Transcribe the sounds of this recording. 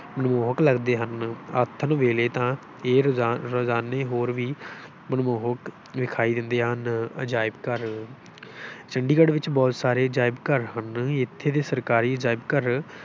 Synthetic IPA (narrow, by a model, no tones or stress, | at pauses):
mənmoːɦəkləɡd̪eːɦənaːt̪ʰːənʋeːleːt̪ãː | eːɾozaːneːɦoːɾʋiː | mənmoːɦək | ʋɪkʰaːiːd̪ɪnd̪eːɦənəd͡ʒaːɪbkəɾ | t͡ʃəɳɖiːkəɖʋɪt͡ʃbɔːt̪saːɾeːəd͡ʒaːɪbkəɾɦənɪt̪ʰːeːd̪eːsəɾkaːɾiːəd͡ʒaːɪbkəɾ